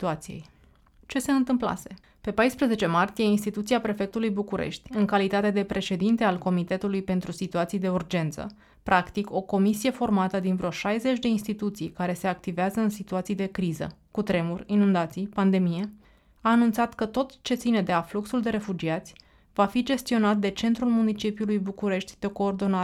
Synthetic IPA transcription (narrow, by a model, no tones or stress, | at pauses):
t̪uat̪sijḛj | t͡ʃe̞se̞ɨnt̪ɨmpla̰se̞ | pe̞pajspɾeze̞t͡ʃe̞mart̪ije̞inst̪it̪ut̪siapɾe̞fe̞k̚t̪ulujbukuɾḛʃt̪ʲɨŋkalit̪at̪e̞d̪e̞pɾe̞ʃe̞d̪int̪e̞alko̞mit̪e̞t̪ulujpe̞nt̪ɾusit̪uat̪sijd̪e̞urd͡ʒe̞nt̪sə̰ | pɾʔakt̪iko̞ko̞misije̞fo̞rmat̪əd̪invɾo̞ʃajze̞t͡ʃʲd̪e̞inst̪it̪ut̪sijkaɾe̞se̞ak̚t̪iveazəɨnsit̪uat̪sijd̪e̞kɾizə̰kut̪ɾe̞murʲinund̪at̪sijpand̪e̞mije̞ | aːnunt̪sat̪kət̪o̞t̪t͡ʃe̞t̪sine̞d̪eafluksuld̪e̞ɾe̞fud͡ʒiat̪sʲ | vafid͡ʒe̞st̪io̞nat̪̚d̪e̞t͡ʃe̞nt̪ɾulmunit͡ʃipiulujbukuɾe̞ʃt̪ʲd̪̥e̞ko̞ːrd̪o̞na